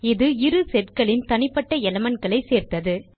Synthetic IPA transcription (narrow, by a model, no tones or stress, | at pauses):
ɪðɯɪɾɯsɛʈkɐɭɪnt̪ɐnɪpːɐʈːɐɛlɐmɐnɡɐɭɐɪseːɾt̪ɐðɯ